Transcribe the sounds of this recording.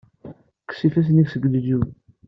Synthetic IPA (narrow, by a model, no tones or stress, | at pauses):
kːsifæs̬niksəɡd̪d͡ʒu